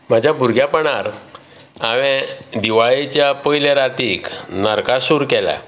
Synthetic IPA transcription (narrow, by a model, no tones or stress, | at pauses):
m̤ad͡ʑʱjabʱuɾɡʱjapəɳaɾ | aʋɛ̃d̪iʋaɭet͡ɕjapəjlaɾat̪iːknəɾkasuɾkɛla̰